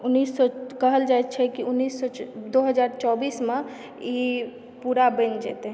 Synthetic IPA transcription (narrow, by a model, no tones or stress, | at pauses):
unːisːɔkəɦəld͡ʒajt̪̚t͡ʃʰɛkiunːisːɔd̪oɦəd͡ʒaɾt͡ʃɔbiːsmẽ | i | puɾabənd͡ʒɛ̰t̪e